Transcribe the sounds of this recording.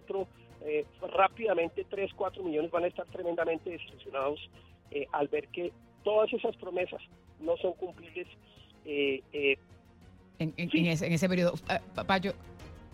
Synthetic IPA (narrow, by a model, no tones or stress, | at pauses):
t̪ɾo | erapiðamẽnt̪e̞t̪ɾe̞skwat̪ɾomiʝo̞ne̞zbanaest̪aɾt̪ɾemend̪amẽnt̪eðeseluksjo̞naðoseʔalbe̞ɾke̞ | t̪o̞ðase̞saspɾo̞me̞sasno̞so̞ŋkumpliβle̞s | ee | eŋeŋseŋeseŋes̬ep̬eɾioðopad͡ʒo